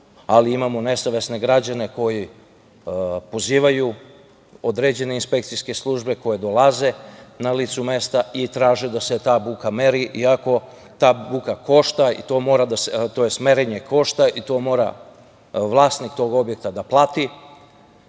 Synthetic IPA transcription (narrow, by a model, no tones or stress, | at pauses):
aliimamone̞saʋe̞sne̞ɡɾad͡ʑane̞ko̞ji | po̞ziːʋaju | o̞d̪ɾe̞d͡ʑe̞ne̞inspe̞kt̪siske̞slˠuʒbe̞ko̞je̞d̪o̞laze̞nalit̪sume̞st̪ait̪ɾaːʒed̪ase̞t̪aːbukame̞ɾiʔiako̞ | t̪aːbukako̞ʃt̪aḭt̪o̞mo̞ːɾad̪aset̪o̞je̞sme̞ɾeɲe̞ko̞ʃt̪aʔit̪o̞ːmo̞ːɾa̰ | ʋlˠaːst̪nikt̪o̞ɡo̞bje̞k̚t̪ad̪aplˠat̪i